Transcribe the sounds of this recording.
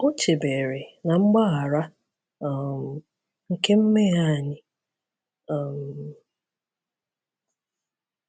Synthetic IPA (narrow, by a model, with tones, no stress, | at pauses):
o˦t͡ʃe˨be˨ɾe˨na˨ŋ͡m̩˦ɡ͡ba˦ɣa˨ɾa˦˨ | m̩˨ | ŋ̩˨ke˦m̩˦me˦ɦa˦˨ɲɪ˦ | ɔ˨m̩˨